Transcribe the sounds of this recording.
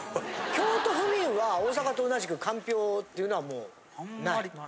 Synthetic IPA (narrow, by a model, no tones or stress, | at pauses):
kʲo̞ːt̪o̞ɸɯ̟mʲĩɰ̃βaoːs̬akat̪oːnaʑikɯ̟kãmpʲo̞ːt̪ːe̞iɯ̟noamo̞ː | nai